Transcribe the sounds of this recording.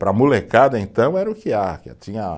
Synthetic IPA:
pɾɐmulekad̪ɐẽnt̪ɐ̃w̃ɛɾɐʊkɪakɪa̰t͡ʃĩɲɐ

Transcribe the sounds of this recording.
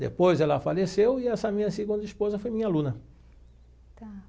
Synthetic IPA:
d̪ḛpojzɛlɐfalesewɪɛsɐmĩɲɐsiɡũnd̪ɐispozɐfojmĩɲalũnɐ

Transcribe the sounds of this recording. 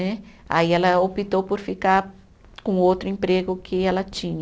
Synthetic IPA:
ɛa̰iɛlɐopit̪owpɔɾfikaɾ | kõowt̪ɾʊẽmpɾeɡʊkʰɪɛlɐt͡ʃĩɲ

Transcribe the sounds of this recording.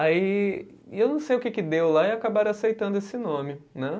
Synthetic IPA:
ai | ewnɐ̃w̃sejʊkɪkɪd̪ewlaɪakabaɾasejt̪ɐ̃nd̪ʊesɪnõmɪnɛ

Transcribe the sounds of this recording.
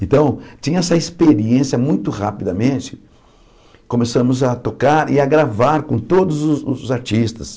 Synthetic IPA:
ẽnt̪ɐ̃w̃t͡ʃĩɲɐɛsɐispeɾiẽsiɐmũj̃t̪ʊʁapid̪ɐmẽt͡ʃɪ̥ | kõmesɐ̃mʊzɐt̪okaɾɪaɡɾavaɾkõt̪od̪ʊzʊʊzaɾt͡ʃist̪ɐs

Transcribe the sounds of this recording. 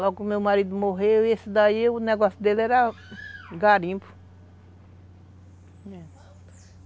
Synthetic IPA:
lɔɡʊmewmaɾid̪ʊmoɦewesɪd̪aiʊnɛɡɔsjʊd̪elɛɾɐ | ɡaɾĩpʊ̥ | ɛ

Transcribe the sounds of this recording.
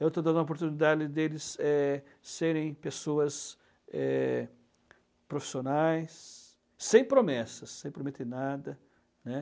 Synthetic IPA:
ewt̪õd̪ɐ̃d̪uɐopoɾt̪unid̪ad͡ʒɪd̪elɪsɛː | eɾẽj̃pesoɐs | ɛ | pɾofi̥sionajsː | ẽj̃pɾomɛsɐsːẽj̃pɾomet̪nad̪ɐ | nɛ

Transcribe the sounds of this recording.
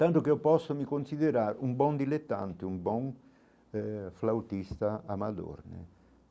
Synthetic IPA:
t̪ant̪ʊk̟eɔpɔsːomikonsiðeɾaːɾumbɔnd̪ilet̪ːa̰nt̪ɪumbɔŋ | flawt̪ist̪aamad̪o̰rnɪ̰

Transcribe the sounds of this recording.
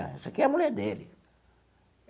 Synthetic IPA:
ɐ̰ɛ̰sɐkiɛɐmulɛɾd̪elɪ

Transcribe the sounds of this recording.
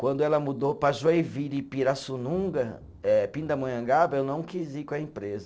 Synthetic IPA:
kwɐ̃nd̪ʊɛlɐmud̪opaʒoevilipiɾasunũɡɐ | ɛpĩnd̪ɐmɐ̃jɐ̃ɡabɐewnɐ̃w̃kizikõɐẽpɾezɐ

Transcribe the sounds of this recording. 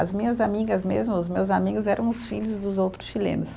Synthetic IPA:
ɐzmĩɲɐzamiɡɐzmezmʊʊzmewzamiɡʊzɛɾɐ̃w̃ʊsfiʎʊzd̪ʊzowt̪ɾʊsʃilḛ̃nʊs

